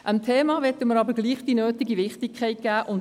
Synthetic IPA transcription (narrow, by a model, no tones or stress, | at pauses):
ʔəmtʰeːmɑːʋɛtəməɾɑbəɾɡliːχd̥inøːtiɡiʋɪχtɪkʰɛɪt̚ɡ̥æːʔʊn